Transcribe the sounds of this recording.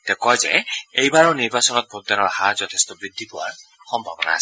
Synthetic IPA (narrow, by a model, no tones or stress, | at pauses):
t̪ɛkɔjzɛ̰ejbaɹɔniɹbasɔnɔt̪̚put̪ːanɔɹhaɹzɔt̪ʰest̪ɔbɹid̪ʱːipʊwaɹ | xɔmbʱabɔna̰ːsɛ